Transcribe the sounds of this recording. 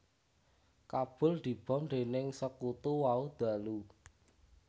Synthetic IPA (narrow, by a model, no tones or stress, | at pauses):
kab̥ʊ̤ld̪̥i̤b̥ɔ̤mɳd̪enɪŋsəkut̪uwaud̪̥a̤lu